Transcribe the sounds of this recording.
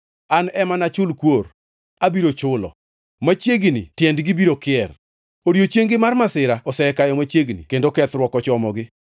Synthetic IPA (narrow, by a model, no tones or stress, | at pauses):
anɛmanat͡ʃʊlkwor | abiɾot͡ʃʊlɔ̰ | mat͡ʃjeɡnḭtjɛndɡɪbiɾokɪɛr | odiot͡ʃjeŋɡɪmarmasɪɾaɔsɛkajɔmat͡ʃeɡnḭkendokɛt̪ɾwɔkɔt͡ʃɔmɔɡɪ